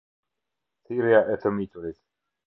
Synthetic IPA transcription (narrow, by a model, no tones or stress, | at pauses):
θiɾjaʔɛt̪ʰəmit̪ʰuɾit̪